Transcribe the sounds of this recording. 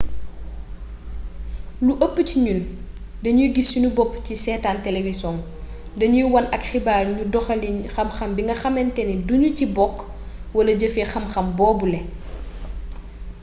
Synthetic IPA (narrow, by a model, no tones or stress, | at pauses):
luʔəpːəciɲul | dɐɲuɡisːunubɔpːcisɛːtaːntɛlewisɔːŋ | dɐɲujwɐnʔɐkxibaːlɲudɔxɐlinxɐmxɐmbiŋɡɐxɐmɛntɛniduɲucibɔkː | wɐlɐɟəfɛxɐmxɐmbɔːbulɛ